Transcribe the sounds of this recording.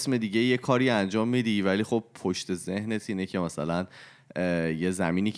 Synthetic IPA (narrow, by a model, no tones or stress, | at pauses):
sme̞d̪iːɟe̞je̞kʰɒːɾiænd͡ʒɒːmːid̪ivæliːχo̞b̚pʰoʃt̪e̞ze̞hne̞t̪ʰiːnecʰe̞mæsælæn | jezæmiːniːc